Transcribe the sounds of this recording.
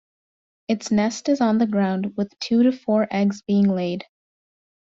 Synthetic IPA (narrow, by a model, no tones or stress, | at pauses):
ɨtsnɛstɨzn̩ðɨɡɹãʊ̃nd̚wɨð̥tʰʉɾɨfɔɹʔɛɡzbiɪ̃ŋleɪd̥